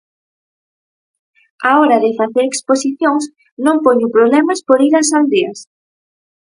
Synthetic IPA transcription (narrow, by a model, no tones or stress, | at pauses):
aɔɾaðɪfaθeɾeksposiθjoŋs | nõŋpoɲʊpɾoβlɛmaspoɾiɾasald̪eɐs